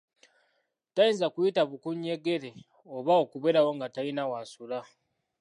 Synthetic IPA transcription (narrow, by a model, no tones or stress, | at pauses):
tajiːnzakujitaβukuɲːe̞ɡe̞ɾe̞ | oβaokuβeɾawo̞ŋɡatajinawasula